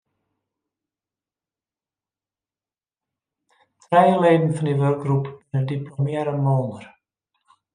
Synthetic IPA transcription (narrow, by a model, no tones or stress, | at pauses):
trɛjəleːdən̩fɑndiʋørk̚ɡrupʋənəndiplomjɛɾəmoːnər